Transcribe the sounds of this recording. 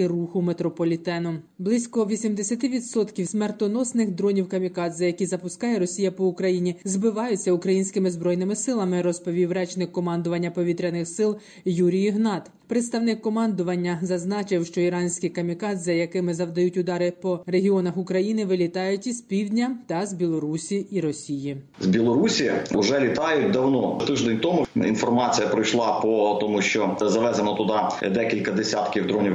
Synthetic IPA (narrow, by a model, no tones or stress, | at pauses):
kɪruxʊmet̪ɾɔpɔlʲit̪ɛnʊ | blˠɪsʲkɔʋʲisʲimd̪esʲɐt̪ɪʋʲid̪sɔt̪kʲiwsʲmɛrt̪ɔnɔsnɪxd̪ɾɔnʲiwkɐmʲikɑd̪zɐjɐkʲizɐpʊskɑjɛɾɔsʲijɐpɔʊkɾɐjinʲizbɪʋɑjʊt͡sʲːɐʊkɾɐjinʲsʲkɪmɪzbɾɔjnɪmɪsɪlˠɐmɪɾɔspɔʋʲiwɾɛt͡ʃnɪkːɔmɑnd̪ʊʋɐnʲːɐpɔʋʲit̪ɾʲɐnɪxsɪlˠ | juɾʲijiɦnɑt̪ | pɾɪt̪st̪ɐwnɪkːɔmɑnd̪ʊʋɐnʲːɐzɐznɑt͡ʃɪwʃt͡ʃɔiɾɑnʲsʲkɪjkɐmʲikɑt̪zɐjɐkɪmɪzɐwd̪ɐjutʲʊd̪ɑɾɪpɔreɦʲiɔnɐxʊkɾɐjinɪʋɪlʲit̪ɑjʊtʲispʲiwdʲnʲɐt̪ɐzʲbʲilˠɔɾusʲiʔiɾɔsʲijizbʲilˠɔɾusʲiʊʒɛlʲit̪ɑjʊt̚ʲd̪ɐwnɔt̪ɪʒd̪enʲt̪ɔmʊḭnfɔrmɑt͡sʲijɐpɾɪjʃlˠɑpɔt̪ɔmuʃt͡ʃɔzɐʋɛzenɔt̪ʊd̪ɑḭd̪ɛkʲilʲkɐd̪esʲat̪kʲiwd̪ɾɔnʲi